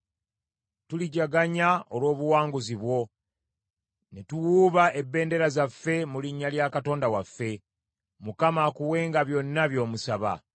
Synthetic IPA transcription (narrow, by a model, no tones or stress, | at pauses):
tuliɟaɡaɲaolwo̞ːβuwaːŋɡuziβwo̞ | netuwuːβae̞bːe̞ːnde̞ɾazafːe̞muliɲːaljaːkato̞ːndawafːe̞ | mukamakuwe̞ːŋɡaβjo̞nːaβjo̞ːmusaβa̰